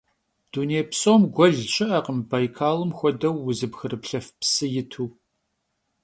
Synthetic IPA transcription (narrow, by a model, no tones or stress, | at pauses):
d̥uneːpsʼomɡʷɔɮɕʼɪʔɐqəmbaːjkʰaːlɨmxʷɔdɐwːʊzɨbxɨɾɨpɬɐfpsɨjɪtʰuː